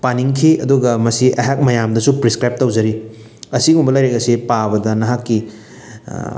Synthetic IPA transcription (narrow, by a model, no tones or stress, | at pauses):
paniŋkʰiɐ̰duɡɐmɐsiʔɐɦak̚mɐjamdɐsupɾiskɾajp̚tɐwzɐɾi | ɐsiɡumbɐlɐjɾeɡɐsipabɐdɐnɐɦakːi